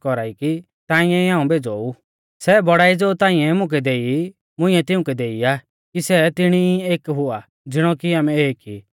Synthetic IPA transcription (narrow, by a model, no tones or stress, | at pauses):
kɔɾaːiki | t̪ãːɪ̃ɛ̃iãːũbeːd͡zɔːu | sɛbɔɽaːid͡zoːt̪ãːĩɛ̃mʊ̃k̬ɛd̪eːi | mʊ̃ɪ̃ɛ̃t̪ɪũkɛd̪eːiaː | kisɛt̪ɪɽ̃ieːkɦʊa | d͡zɪɽ̃ɔkiaːmɛeːki